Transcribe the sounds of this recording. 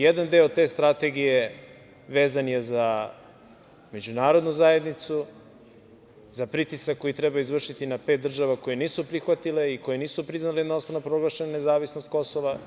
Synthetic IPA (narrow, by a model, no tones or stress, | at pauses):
jed̪and̪eod̪t̪e̞ːst̪ɾat̪eɡije̞ | ʋe̞ːzanjeza | me̞d͡ʑunaːɾo̞d̪nuzaje̞d̪nit̪su | zapɾit̪isakːo̞jit̪ɾebaizʋr̩ʃit̪inape̞t̪̚d̪r̩ʒaʋako̞jeniːsupɾixʋat̪ile̞iko̞jeniːsupɾiznalejed̪nosonapɾo̞ɡlˠaʃenane̞zaːʋisnost̪̚ko̞soʋa